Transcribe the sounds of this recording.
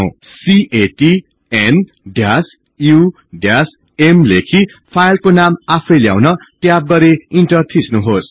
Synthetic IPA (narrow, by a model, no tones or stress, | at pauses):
siʔeʈi | en | ɖjas | ju | ɖjas | emlekʰi | pʰajlkonamapʰʌjlja̰wnʌʈjab̚ɡʌɾeinʈʌrt̪ʰisnuɦos